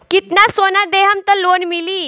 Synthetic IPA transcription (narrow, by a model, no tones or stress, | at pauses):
kit̪nasonad̪eɦamt̪əɾlonmiliː